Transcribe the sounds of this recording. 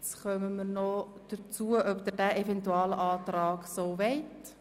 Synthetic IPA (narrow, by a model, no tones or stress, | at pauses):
sχœməməɾnɔd̥ət͡suəʔœpd̪əɾdæʔɛfɛntuɑːləʔɑːtrɑːksoːʋɛɪt